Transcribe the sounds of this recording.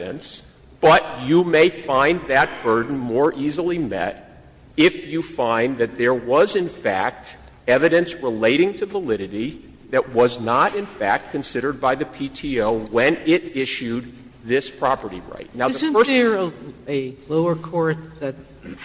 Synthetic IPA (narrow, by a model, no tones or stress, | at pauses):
ɨ̰̃ns | b̥ʌt͡ʃɨmeɪfãɪ̃nðɨt̚b̥ɜ˞dⁿn̩mɔɹʔizl̩ˠimɛ̰ɾ | ɪfjɨfãɪ̃nðɨt̪̚ðə˞wʌzɨ̃nfæ̰k̚t | ɛvɨɾɨ̃nsɹɪleɪɾɪ̃ŋtʰɨvəlɪɾɨɾi | ðɨt̚wʌznəɾɨ̃nfæ̰k̚t̚kʰɨ̃nsɪɾə˞d̚baɪðɨpʰitʰioʊwɨ̃nɪɾɪʃʉd̪̚ | ðɪspʰɹ̥ɑpə˞ɾḭɹa̰ɪtⁿnaʊðəz̃fə˞ə˞ɨloʊə˞kʰɔɹt̪̚ðɨt̚